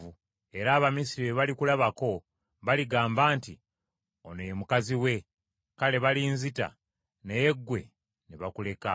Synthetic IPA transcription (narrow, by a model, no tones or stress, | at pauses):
u | e̞ɾaːβamis̬iɾieβalikulaβako̞ | βaliɡaːmbaːnti | onojemukaziwe̞ | kale̞βaliːnzita̰ | nejeɡwe̞ | neβakule̞ka